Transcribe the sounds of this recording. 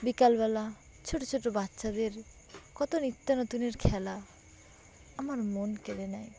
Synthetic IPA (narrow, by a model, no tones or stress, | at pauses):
bikalbɛla | t͡ʃʰoʈot͡ʃʰoʈobatːʃad̪eɾ | kɔt̪onit̪ːanɔt̪uneɾkʰɛla | amaɾmonkeɾenaj